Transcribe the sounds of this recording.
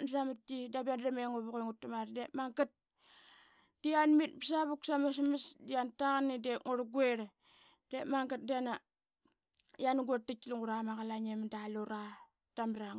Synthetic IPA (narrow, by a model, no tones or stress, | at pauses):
nsamatːidabandameŋoβukeŋutːamaɾdemaŋɡat̚ | d̥ianmit̚bisaβuksamas̬masdiantaɣanːideŋoɾɡueɾ | d̥emaŋɡat̚diana | janɡotːat͡ʃːiluŋɡuɾamaɣalaɲemdaloɾa | d̥amɾaŋ